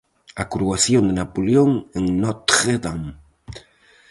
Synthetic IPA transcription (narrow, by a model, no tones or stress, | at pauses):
akɾuaθjond̪enapoljoŋeŋnot̪χed̪am